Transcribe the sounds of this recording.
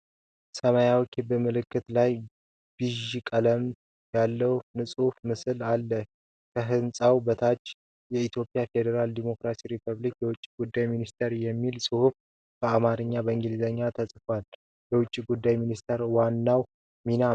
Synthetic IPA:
səməjawkʰibɨmɨlɨkːɨt̪laj | b̥ɨʒikʼələm | jalːəwnɨsʼufmɨsɨlalːə | kʰəɦɨnsʼawbət̪ʰat͡ʃː | jɛit̪ʰjo̞pʼːjafe̞d̪əɾald̪imo̞kɾasiɾipʰəβlikjɛwʊt͡ʃʼːiɡud̪ːajminist̪ʰeɾjɛmːilsʼɨhuf | bəamaɾɨɲːabəɨŋɡɨlizəɲːat̪ʰəsʼfwal | bɛwʊt͡ʃʼːiɡud̪ːajminist̪ʰeɾwanːaw | mina

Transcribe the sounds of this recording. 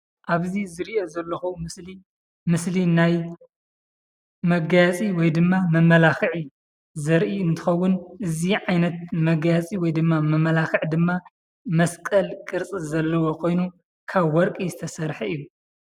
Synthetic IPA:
ʔaβzizɨɾiʔo̞zɐlːɐxumɨsli | mɨslinaj | mɐɡajat͡sʼiwɔjd̪ɨmːamɐmɐlaxɨʕi | zɐɾʔiɨnt̪ʰɨ̥xɐwːʊnʔɨziʕajnɐt̪̚mɐɡjat͡sʼiwɔjd̪ɨmːamɐmːɐlaxɨʕd̪ɨmːa | mɐskʼɐlkʼɨɾt͡sʼizɐlːɐwo̞kʰo̞jnu | kʰaβːɔɾkʼizɨt̪ʰɐsɐɾħɐɨjːu

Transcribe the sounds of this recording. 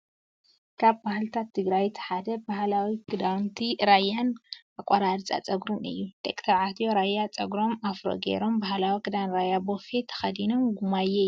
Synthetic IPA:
kʰaβbahlt̪ʰat̪ʰːɨɡɾajt̪ʰħad̪ɐbahlawikʰɨd̪awnt̪ʰiɾajːanakʷʼːɐɾaɾt͡sʼa̰t͡sʼɐɡɾumɨ̰jːud̪̥ekʼt̪ʰɐɾʕat̪joɾajːat͡sʼɐɡɾo̞mafɾo̰ɡḛɾo̞mbahlawikʰɨd̪awnɾajabofet̪ʰɐ̥xɐd̪ino̞mɡumajːej

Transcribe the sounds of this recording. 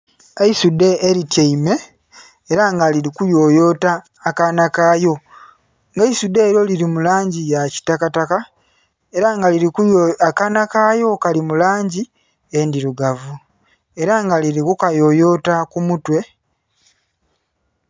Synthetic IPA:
eisude̞ːɾitjeime̞ː | ɾaŋɡaliɾikujo̞jo̞ːtaː | kanakaːjo̞ | ŋɡaisude̞ːɾo̞liɾimulaːɲɟijaci̥takataka | e̞ɾaŋɡaliɾikujakanakaːjo̞kalimulaːɲɟi | endiɾuɡavu | e̞ɾaŋɡaliɾikukajo̞ːjo̞takumutwe̞

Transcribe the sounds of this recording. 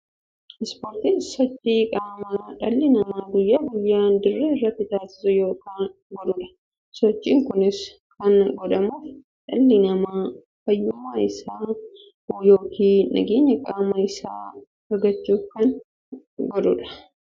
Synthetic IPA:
ʔɪspoːɾt̪insɔt͡ʃʼːiːkʼaːmɐᶑɐlːɪnɐmaːɡʊjːaːɡʊjːaːnd̪ɪrːeɪrːɐt̪ːɪt̪aːsɪ̥sʊjo̞ːkaːn | ɡɔᶑ̪ʊᶑɐ̥ | sɔt͡ʃʼːiːŋkʊnɪs | kɐnɡɔd̪ɐmuːf | ᶑɐlːɪnɐmaː | fɐjːuːmaɪsaː | oːjo̞ːkʰiːnɐ̰ɡeːɲːɐkʼaːmɐɪsa̰ː | ɐɾɡɐt͡ʃːuːfkɐn | ɡɔd̪ʊᶑɐ̥

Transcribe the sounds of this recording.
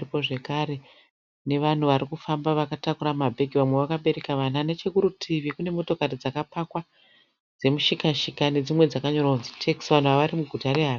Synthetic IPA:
ipo̞ʐe̞kaɾe̞ | ne̞ʋan̤uʋaɾikufambaʋakatakuɾamabʱe̞ɡʱiʋamwe̞ʋakaɓe̞ɾe̞kaʋananet͡ʃe̞kuɾutʰiʋikune̞mo̞to̞karid͡zakapakwa | d͡ze̞muʃikaʃikane̞d͡zimwe̞d͡zakaɲo̞rwaunzitʰeksʋan̤uʋaʋaɾimuɡʱutare̞ɦar

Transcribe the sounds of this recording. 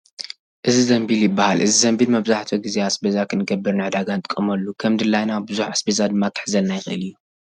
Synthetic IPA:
ʔɨzizɐmbiljɪbːahalʔɨzizɐmbilmɐβzaħt̪ʰoɡizeasbezakʰɨnɨɡɐbːɨɾnɨʕɨd̪aɡant̪ʼɨkʼɨmɐlːukʰɐmd̪ɨlːajnabɨzuħasbezad̪ɨmːak̪ʰɨ̥ħzɐlnajɪxʔɨlijːu

